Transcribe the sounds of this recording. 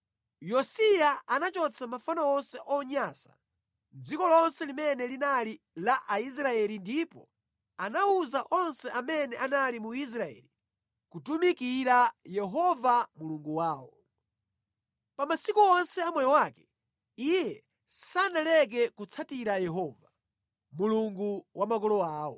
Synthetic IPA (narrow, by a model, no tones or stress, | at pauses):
jɔsijaanat͡ʃɔt͡sʰamafanɔɔnsɛʔɔɲasḁ̰ | d͡zikɔlɔnsɛlimɛnɛlinali | laʔais̬ɾaɛlindipɔ̰ | anauzaʔɔnsɛʔamɛnɛʔanalimuis̬ɾaɛ̰li | kutumikiɾajɛɦɔvamuluŋɡuwaːwɔ | pamasikuɔnsɛamwɛjɔwaːkɛ̥ | ijɛ | sanalɛk̬ɛkut͡sʰatiɾajɛɦɔːva | muluŋɡuwʔamakɔlɔaːwɔ̰